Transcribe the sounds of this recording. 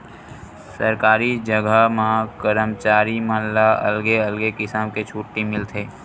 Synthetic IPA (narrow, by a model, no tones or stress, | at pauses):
sə̰ɾkaːɾid͡ʒəɡʱəmãkəɾəmt͡ʃaːɾimaːnlaɐ̰lɡeɐlɡekɪsamket͡ʃʰuːʈːimɪlt̪ʰeː